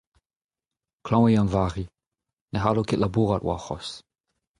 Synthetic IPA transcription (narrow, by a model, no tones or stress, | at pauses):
kʰlɑ̃w̃ɛjɑ̃nvaʁi | nɛɦalokeʔlʔabuʁatwa̰χɔ̰s